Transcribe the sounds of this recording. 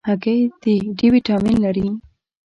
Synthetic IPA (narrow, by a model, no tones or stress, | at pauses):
haɡejd̪eɖiwiʈɑminlaɾi